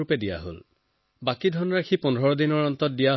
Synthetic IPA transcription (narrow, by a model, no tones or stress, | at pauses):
upɛdija̰ɦo̰l | bakidʱɔnɔɹakʰipɔnʱɔɹɔdinɔɹɔnt̪ɔt̚dijaɦ